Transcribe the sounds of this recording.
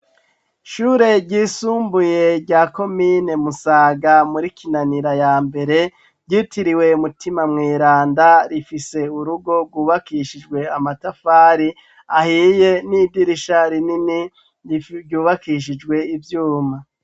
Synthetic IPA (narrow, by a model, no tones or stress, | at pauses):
ʃuːɾe̞ɟiːsuːmbuje̞ɟɟaːko̞miːne̞musaːɡamuɾikinaniɾajaːmbe̞ɾe̞ | ɟiːtiɾiwe̞umutimamŋiːɾaːndaɾifise̞uɾuɡo̞ɡwuːβakiʃid͡ʒɡwe̞amatafaːɾi | ahije̞niːbdiɾiʃaɾinini | ɟuːβakiʃ̬id͡ʒɡwe̞ivjuːma